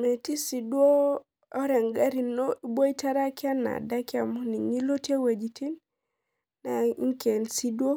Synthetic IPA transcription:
me˨ti˦si˨dwo˦ | ɔ˦ɾɛ˨ŋɡa˦ɾi˨no˦i˦bo˦i˦ta˦ɾa˦kja˦na̰˨da˦kja˨mu˦ni˨ɲi˦lo˦tje˦we˨d͡ʒi˨tʰi˦n | na˨˦ŋke˨nsi˦dwo˦

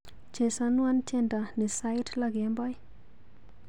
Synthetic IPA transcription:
t͡ʃe˨sanwa˦nt͡ʃʰɛ˦nda˨nɪ˨sa˦jtlaɡe˨mbɔ˦j

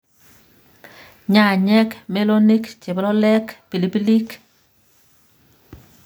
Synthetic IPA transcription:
ɲa˦˨ɲɛ˦kme˦lo˦ni˦kt͡ʃe˨blɔ˦lɛ˦kpi˨li˨pi˦li˦k

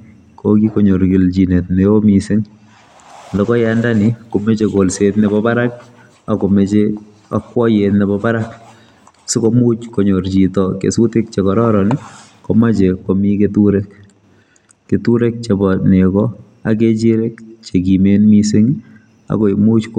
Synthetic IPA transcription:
koki˦koɲo˨ɾki˨lt͡ʃi˨ne˨t̚neo˦misɪŋ | andɔ˨kɔ˦jandaniko˨me˦t͡ʃeko˨lsetnebɔpa˦ɾa˦k̚ | a˨ko˨met͡ʃe | a˨kwɔ˦jetnebɔpa˦ɾak | si˦komu˦t͡ʃkoɲo˨rt͡ʃitɔkḛsu˦tɪ˦k̚t͡ʃekɔɾɔ˦ɾɔ˨ni | kɔma˦t͡ʃe˨komi˦ketuɾek | etu˦ɾe˦k̚t͡ʃe˨bɔne˨kɔ | a̰˨ke˦t͡ʃiɾe˦kt͡ʃe˨kimenmisɪ˦ŋ | a̰˨ko˨mu˦t͡ʃk

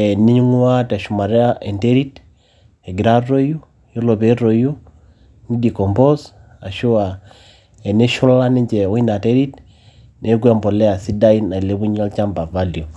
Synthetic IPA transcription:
ɛ˨ni˦ɲu˦ŋu˦a˦ta˨ʃu˨ma˨ɾɛ˦a˦ʔɛ˨nte˦ɾi˦t | ɛ˨ɡi˨ɾa˦ɾo˦ju˦ | jɔ˦lo˨be˦ɾo˨ju˦ | ni˦di˨kɔ˨mbɔ˦s | a˨ʃu˦a˨ | ɛ˨nɛ˦ʃu˦la˦ni˦ɲd͡ʒɛ˨wɔ˦i˦na˨te˦ɾi˦t | nɛ˨˦ɡu˦a˦mbɔ˨lɛ˦a˨si˦da˦i˦na˨i˨le˦bu˦ɲ˦a˦lt͡ʃa˦mba˨va˦li˨o˨

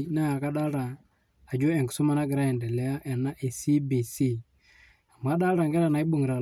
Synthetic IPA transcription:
na˦ja˨ka˦ɗa˦ɾaː˨ | d͡ʒo˦ɛ˨ŋɡu̥˨sɔ˦ma˦na˦ɡɪ˨ɾa˦ɛ˨ndɛ˨lɛ˦a˦ʔɛ˨na˦ʔe˨si˦bi˨si˦ | a˨m˨a˦ɗa˦ɾa˨ŋɡɛ˦ɾa˨na˨i˦ɓo˨ŋɡɾa˨

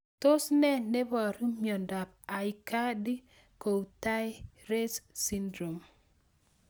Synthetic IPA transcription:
to˦snɛ˦ne˦bɔ˨ɾi˦mjɔ˨nda˨p̚a˨jka˦di˦ | ko˨wta˦jɾe˦ssi˦ndɾo˨m

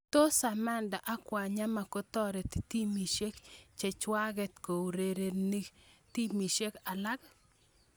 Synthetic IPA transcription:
t̪o˦sa˨ma˦nda˨ʔa˦kwa˨ɲa˦ma˨kɔ˦t̪ɔ˦ɾɛ˨t̪t̪i˦mi˨ʃe˦kt͡ʃe˨t͡ʃwa˦ɡɛ˨t̪ko˨wɾe˨ɾe˨ni˦t̪i˦mi˨ʃe˦ka˨la˦k

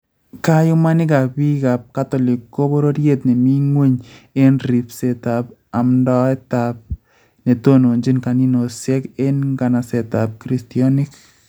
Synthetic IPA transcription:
ka˦jʊ˦ma˦nɪ˦ka˨bi˦ka˨p̚ka˦tɔ˨li˨kːo˦bo˦ɾo˦ɾje˦t̪̚nɪ˨mi˦ŋwe˦ɲe˦nɾi˨pse˨ta˨p̚a˨mndɔ˦ɛ˦tap̚ | ne˨to˦no˨nd͡ʒi˦nka˨ni˦no˨sjɛ˦ke˦nɡa˨na˨sɛ˨tap̚kɾi˨stiɔ˦nɪ˦k

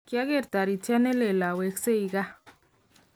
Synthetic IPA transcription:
kja˦ɣe˦˨ɾt̪a˨ɾi˨t͡ʃa˦ne˦le˨la˨we˨kse˦i˨ɡa˦

